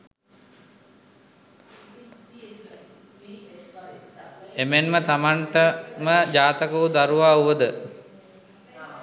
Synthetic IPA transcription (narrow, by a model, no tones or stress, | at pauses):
emenmət̪amaɳʈəməd͡ʑaːt̪əkəud̪aɾuʋaːuʋəd̪ə